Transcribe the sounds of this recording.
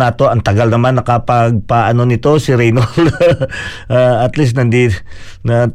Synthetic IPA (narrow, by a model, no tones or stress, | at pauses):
naːt̪o̞ʔɐŋt̪ɐɡalnɐmanːɐkɐpɐɡ̚paʔɐno̞nɪt̪o̞sɪɾɛjnol | ʔaɐt̪lis̬nɐnd̪i | na